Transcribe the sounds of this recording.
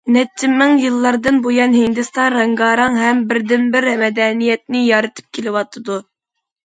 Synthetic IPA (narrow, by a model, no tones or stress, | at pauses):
nɛt͡ʃʰːɪmːɪŋjɨlˠːɑɾd̪ɨnbojɑnɦind̪ɨst̪ɑnɾɛŋɡɑːɾɑŋɦɛmbɪɾd̪ɪnbɪɾmɛd̪ɛnijɛt̪̚nɪjɑɾɨt̪ʰɨ̥p̚kʲʰelɪwɑt̪ʰɨd̪u